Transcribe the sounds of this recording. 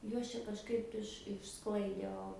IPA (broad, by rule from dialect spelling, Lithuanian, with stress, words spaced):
ˈjuɔs t͡ʃʲɛ kɐʃˈkɐɪp ɪʃ ɪʃ ˈsklˠɐɪdʲeː ˈoː